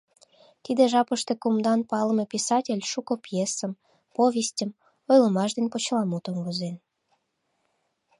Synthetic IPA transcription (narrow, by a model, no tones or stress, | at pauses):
t̪id̪eʒɑpəʃt̪ekumd̪ɑnpɑlə̆mepʲisɑtʲelʲʃukopjesəm | poβʲesʲtʲəm | ojlə̆mɑʃd̪enʲpot͡ɕlˠɑmut̪oŋɡozen